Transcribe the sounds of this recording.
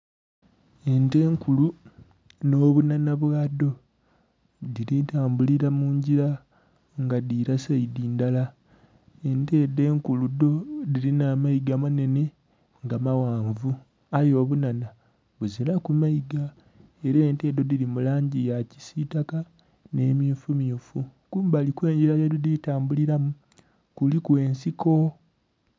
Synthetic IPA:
e̞nte̞ːŋkulu | no̞ːβunanaβwaːdo̞ | diɾitaːmbuliɾamuːɲɟiɾa | ŋɡadiɾasaidiːndala | e̞nte̞ːde̞ːŋkuludo̞dilinamaiɡamane̞ne̞ | ŋɡamawaːɱvu | ajo̞ːβunana | βuzilakumaiɡa | e̞ɾeːnte̞ːdo̞dilimulaːɲɟijaci̥sitaka | ne̞ːmiufumiufukuːmbalikwe̞ːɲɟiɾajadoditaːmbuliɾamu | kulikwe̞ːnsiko̞

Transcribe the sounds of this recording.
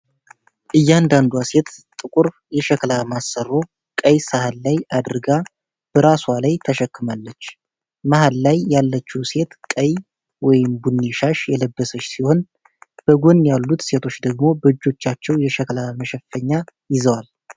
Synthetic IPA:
ʔɨjːand̪and̪wase̞t̪t̪ʼɨkʼuɾ | jɛʃɛkʰlamasərːo̞ | kʼəjsahalːajad̪ɨɾɡa | b̥əɾaswalajt̪ʰəʃɛkːɨmalːət͡ʃː | mahalːajːalːət͡ʃːuwse̞t̪kʼəj | wɔjɪmbunːiʃaʃjɛləbːəsət͡ʃːsiho̞n | b̥əɡo̞njalːut̪se̞t̪ʰo̞t͡ʃːd̪əɡmo̞bəd͡ʒːo̞t͡ʃːat͡ʃːɛwjɛʃɛklaməʃɛfəɲːajɪzəwal

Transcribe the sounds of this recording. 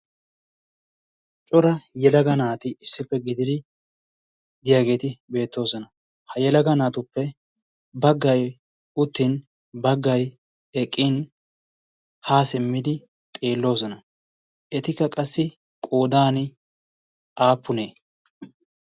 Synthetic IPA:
t͡ʃʼɔɾɐjɛlɐɡɐnaːt̪ɪɪsːɪpːɛɡɪd̪ɪd̪ɪ | d̪ɪjaːɡe̞ːt̪ɪbe̞ːt̪ːo̞ːsɔnɐ | hɐjɛlɐɡɐnaːt̪ʊpːɛ | bɐɡːɐj | ʊt̪ːɪn | bɐɡːɐj | ɛkʼːɪn | haːsɪmːɪd̪ɪ | t̪ʼeːlːo̞ːsɔnɐ | ʔɛt̪ɪkːɐkʼɐsːɪ | kʼoːd̪aːnɪ | ʔaːpːʊneː

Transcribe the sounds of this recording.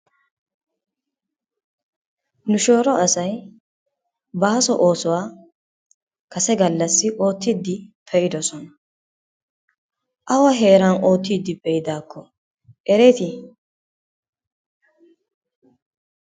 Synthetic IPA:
nʊʃo̞ːɾɔɐsɐj | baːsɔʔo̞ːsɔwaː | kʰɐsɛɡɐlːɐsːɪʔo̞ːt̪ːɪd̪ːɪpʰɛʔɪd̪ɔsɔnɐ | ʔɐwɐɦe̞ːɾɐno̞ːt̪ːiːd̪ːɪpɛɪd̪aːkʰːɔ | ʔɛɾɛt̪ɪ

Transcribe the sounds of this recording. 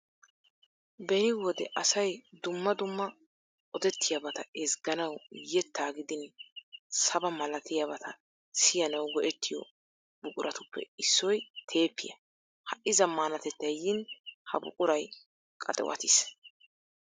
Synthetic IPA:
bɛnɪwɔd̪ɛʔɐsɐjd̪ʊmːɐd̪ʊmːɐ | ɔd̪ɛt̪ːɪjɐbɐt̪ɐɛsɡɐnɐwjɛt̪ːaːɡɪd̪ɪn | sɐbɐmɐlɐt̪ɪjabɐt̪ʰɐ | sɪjɐnɐwɡɔʔɛt̪ʰːɪjɔ̰ | bʊkʼʊɾʔɐt̪ʊpʰːɛ̰ɪsːɔjt̪ʰe̞ːpʰːɪ̰jɐ̰ | hɐʔɪzɐmːaːnɐt̪ɛt̪ːɐjjɪnhɐ̰bʊ̰kʼʊɾɐj | kʼɐ̰t̪ʼɛ̰wɐ̰t̪ɪs

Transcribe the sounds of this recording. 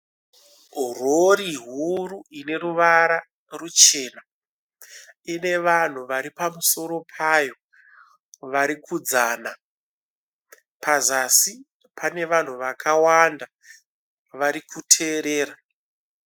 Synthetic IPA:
roɾiɦuruine̞ruʋaɾa | rut͡ʃe̞ːna | ine̞ʋan̤uʋaɾipamuso̞ɾo̞pʰajo̞ | ʋaɾikʰud͡zana | pʰazasi | pʰane̞ʋan̤uʋakʰawanda | ʋaɾikʰutʰe̞ːɾeːɾa

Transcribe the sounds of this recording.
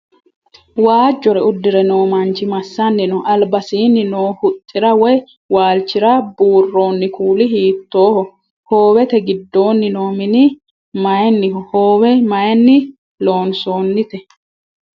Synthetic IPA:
waːd͡ʒːɔɾɛʊd̪ːɪɾɛno̞ːmɐnt͡ʃːɪmɐsːɐnːɪnɔʔɐlbɐsiːnːɪnoːhʊt̪ʼːɪɾɐwɔj | waːlt͡ʃːɪɾɐbuːrːo̞ːnːɪkuːlɪɦiːt̪ːo̞ːhɔ | hoːwɛt̪ɛɡɪd̪ːo̞ːnːɪnoːmɪnɪ | mɐjɛnːɪɦhoːwɛmɐjɛnːɪ | lo̞ːnso̞ːnːɪt̪ɛ

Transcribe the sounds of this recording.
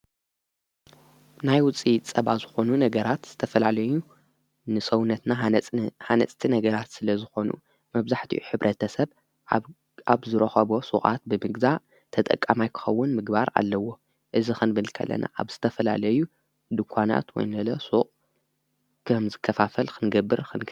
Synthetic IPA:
najwʊt͡sʼit͡sʼɐβazɨxo̞nunɐɡɐɾat̪z̥ɨt̪ʰɐfɐlalɐju | nɨsɐwnːɐt̪nahanɐ̰t͡sʼt̪ʰinɐɡɐɾat̪sɨlɐzɨxo̞nṵ | mɐβzaħt̪ʰḭʔuħɨβɾʔɐt̪ʰɐsɐβ | aβzɨɾɐxɐβo̞suχʼa̰t̪̚bɨmɨɡza | t̪ʰɐt̪ʼɐ̰kʼːamajkʰɨ̥xɐwːʊnmɨɡbaɾa̰lːɐwo̞ | ʔɨzixɨnbɨlkʰɐ̰lːɐ̰na̰ʔa̰βz̥ɨt̪ʰɐfɐla̰lɐju | d̪ɨkʷʰana̰t̪wɔ̰jnɐlɐsuχʼ | kʰɐmzɨkʰːɐfafɐlxʰɨnɡɐbːɨɾxʰɨnɡ

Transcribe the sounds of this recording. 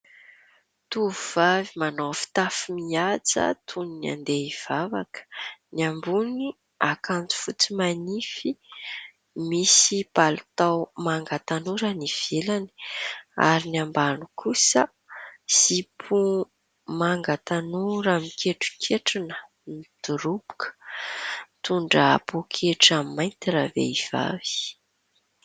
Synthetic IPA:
t̪uuv̥avimanofi̥t̪afimiad͡zə̰t̪ʰunina̰nd̪eiv̥ava̰kə̥niambuni | akant͡su̥fut͡simanifi | misipalut̪awmaŋɡat̪anuɾəniv̥elani̥a̰ɾiniambanukʰusə | sipʰu | maŋɡat̪anuɾamikʰeʈ͡ʂu̥kʰeʈ͡ʂinə̥ | nid̪̥uɾubu̥kʰə̥ | t̪uɳɖ͡ʐəapokʰeʈ͡ʂammajnt̪iɾavḛiv̥a̰vi̥

